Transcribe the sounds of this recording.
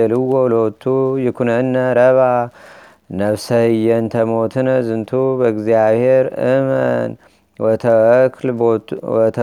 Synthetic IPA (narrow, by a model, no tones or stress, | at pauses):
ɛlɨwːolot̪ʰːujɪkʰunənːəɾəβa | nəβsəhɨjːɛnt̪ʰəmot̪ʰɨnəzɨnt̪ʰubəɨɡziaβheɾɨmə̰n | wɔt̪ʰəkʰlbɔt̪ʰ